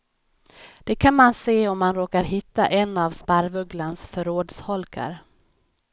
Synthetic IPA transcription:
d̪̥ɛkʰanmanseːɔmːanɾoːkaɾɦɪt̪ːa̰ʔɛnːavspaɾvɵɡlansfœɾoːd̪shɔlkʰa̰ɾ

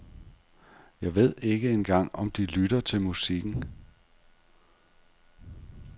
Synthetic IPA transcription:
jɑ̈ɪʋe̝ð̞̰ˠe̝ɡ̥əenɡ̥ɑ̈ŋ̰ɒ̽md̥ilyɾ̥ɐt͡sʰe̝lmusiɡ̥n̩

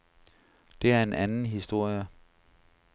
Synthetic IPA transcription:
d̥e̝æɐe̝nʔænn̩ɦisd̥o̝ɐ̰jə

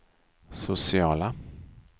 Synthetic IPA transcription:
sʊsɪɑːla

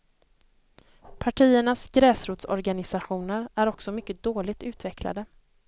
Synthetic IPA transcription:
pʰaʈʰiːəɳasɡɾɛːsɾuːt̪sɔ̰ɾɡanɪsaɧuːnəɾʔæɾɔksɔmʏkːəd̪oːlɪɡ̚t̪ʉ̟ːt̪vɛkʰla̰d̪ə

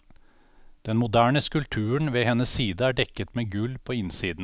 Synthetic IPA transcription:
d̪̥ɛnmʊd̪æːɳəskʉlt̪ʰʉːəɳʋeːhɛnəssiːd̪əæːɖɛkːət̪meːɡʉlpʰoːɪnsiːd̪n̩

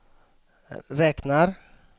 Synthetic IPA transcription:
ɾɛːknaɾ

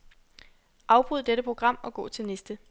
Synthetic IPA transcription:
ʔɑ̈ʊb̥ʁuð̞̰ˠd̥eɾəpʰʁo̝ɡ̥ʁɑ̈m̰ɒ̽ɡ̥ɔ̰̽ːt͡sʰe̝lnesd̥ə

